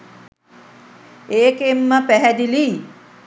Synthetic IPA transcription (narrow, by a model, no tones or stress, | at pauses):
eːkemːəpæɦɛd̪ili